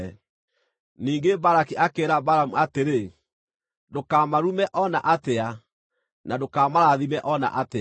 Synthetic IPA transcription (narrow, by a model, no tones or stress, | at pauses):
niːŋɡebaɾakiʔakeːɾabaɾamuateɾe | dokamaɾumɛʔɔnaʔatea | nadokaːmaɾaðimɛʔɔna̰ʔate